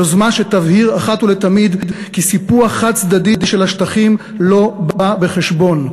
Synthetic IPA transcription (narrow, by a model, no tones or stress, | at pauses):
ozmanʃet̪avhiʁaχat̪ulet̪amid̪dkisipuaχat̚t͡sd̪adidiʃelaʃt̪aχim | lo̞babe̞χeʃbo̞n